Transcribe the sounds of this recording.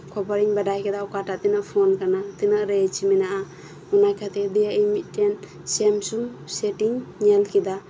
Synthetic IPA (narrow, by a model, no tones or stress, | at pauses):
kʰɔpɔɾiŋbadajkʰɛd̪awkatat̪inaʔpʰɔnkanat̪inaʔɾet͡ʃiminaʔa | unajkʰat̪ʰed̪ijaʔimitten | semsumsetiŋɲelkʰid̪a